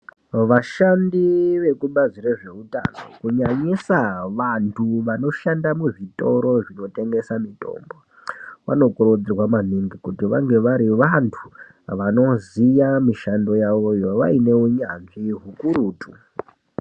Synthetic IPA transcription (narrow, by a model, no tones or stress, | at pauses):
ʋaʃandiʋekuɓad͡zireʐe̞uta̰no̞̰kuɲaɲisaʋantʰuʋano̞ʃandamuʐitʼo̞ɾo̞ʐino̞te̞ŋɡe̞samito̞̰ːmbo̞ | ʋa̰no̞kuɾod͡zirwamaniŋɡikutiʋaŋɡe̞ʋaɾiʋantʰu | ʋano̞zijamiʃando̞jaʋo̞joʋaine̞uɲanʐiɦukuɾuːtʰu